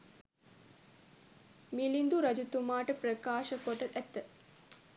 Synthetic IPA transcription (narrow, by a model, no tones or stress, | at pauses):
milind̪uɾɐd͡ʒut̪umaːʈəprəkaːʃəkoʈəæt̪ːə